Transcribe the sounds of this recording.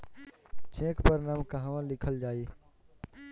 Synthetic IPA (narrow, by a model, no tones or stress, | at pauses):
t͡ʃʰẽːkpəɾnaːmkəɦãːʋãːlɪkʰəld͡ʒaːeː